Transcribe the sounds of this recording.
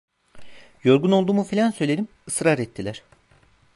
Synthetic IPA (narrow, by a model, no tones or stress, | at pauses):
jo̞ɾɡuno̞lˠd̪uːmufilʲansø̞jlʲeɾim | ɯsɾaɾɛt̪ʰːilʲæɾ̝̥